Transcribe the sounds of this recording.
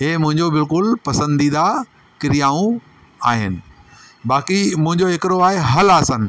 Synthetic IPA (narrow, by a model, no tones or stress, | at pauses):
ɦeːmʊ̃ɦɪ̃ɲd͡ʑobɪlkʊlpɐsə̃nd̪id̪a | kɪɾijaːũ | aːɦɪnɪ̆ | baːkimʊ̃ɦɪ̃ɲd͡ʑoɦɪkɪɾoaːɦeɦɐlaːsənɪ̆